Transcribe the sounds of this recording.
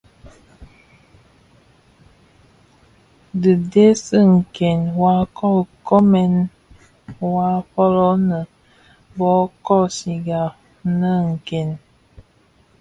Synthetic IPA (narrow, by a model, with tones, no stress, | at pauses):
də˨de˦sə˦ŋ̩˨ke˨nwa˦kʰɔ˦˨lkɔ˦mɛ˨n | wa˦fɔ˦lɔ˦nə˨ | bɔ˨˦kɔ˦si˨ɡa˨ | nə˦ŋ̩˨ke˨n